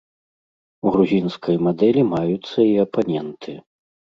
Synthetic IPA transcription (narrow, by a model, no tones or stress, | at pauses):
uɣɾuzʲinskʰɐjmad̪ɛlʲimajut̪sːɐiɐpanʲɛnt̪ʰɨ